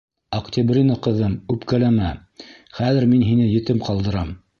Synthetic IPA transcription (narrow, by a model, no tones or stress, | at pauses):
ɐkt̪ʲɪbrʲinoqɤ̆ðɤmʉpkælæmæ | χæðɘɾminɦinɘjɘ̆t̪ɘmqɑlˠd̪ɤ̆ɾɑm